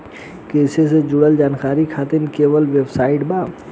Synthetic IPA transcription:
kesesed͡ʒʊɽəld͡ʒaːnkaːɾikʰaːt̪ɪnkeːʋəlʋebsaːɪʈbaː

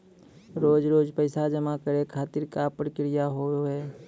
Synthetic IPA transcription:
ɾoːd͡ʒɾoːd͡ʒpəɪsad͡ʒəmakəɾekʰaːt̪ɪɾkapəɾkɪɾɪjaɦooɦeː

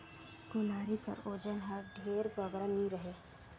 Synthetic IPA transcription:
kʊlaːɾikɐ̰ɾoːd͡ʒənɦəɖʱeːɾbəɡɾanĩɾəɦeː

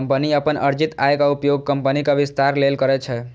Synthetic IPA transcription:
mpəniəpənʔə̰ɾd͡ʒit̪a̰jkaupjoɡ̚kəmpənikabist̪aɾlelkəɾɛt͡ʃʰɛ

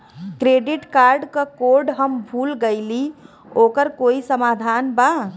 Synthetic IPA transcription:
kɾeɖiʈkaɾɖkəkoɾɖɦəmbʱulɡəɪli | okəɾkoisəmad̪ʱanba

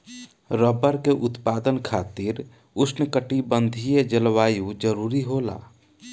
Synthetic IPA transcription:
ɾəbəɾkeʔut̪pad̪ənkʰat̪iɾ | usnəkəʈibənd̪ʱijed͡ʒəlʋajud͡ʒəɾuɾiɦola̰

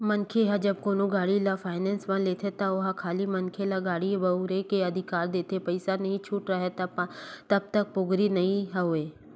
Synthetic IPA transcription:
mənkʰeɦad͡ʒɐbkoːnõɡaːɽilafʰaːɪnɛ̃ːnsmãleːt̪ʰet̪aʊɦakʰaːlimɐnkʰelaɡaːɽibɐuɾekeɐd̪ʱɪkaːɾd̪eːt̪ʰepɐɪsanɐɦĩt͡ʃʰuːʈɾɐɦet̪t̪ɐb̚t̪ɐk̚pʊɡɾinɐĩɦaɦoeː

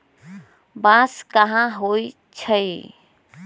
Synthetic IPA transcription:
bãskəɦãɦoi | t͡ʃʰəj

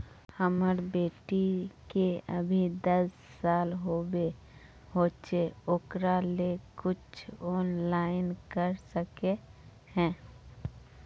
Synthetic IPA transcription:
həməɾbeːʈikeəbʱid̪ɐsːaːlɦoːbe | hoːt͡ʃeoːkɾalekʊt͡ʃʰɔːnlaːɪnkəɾsəke | hɛ̃ː

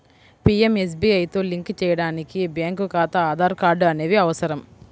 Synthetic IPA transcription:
pieme̞s̬biɐjt̪o̞ːliŋkt͡ʃɛːjɐɽaːnikibjaːŋkukaːt̪ɐaːd̪ʱaːɾkaːɾɖɐne̞ːʋiɐʋɐsɐɾɐm

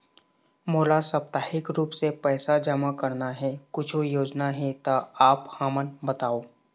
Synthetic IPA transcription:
moːlasɐp̚t̪aːɦɪkɾuːpsepɛːsad͡ʒəmakɐɾnaɦɛkʊt͡ʃʰojoːd͡ʒnaɦɛt̪aaːphaːmənbɐt̪aːoː

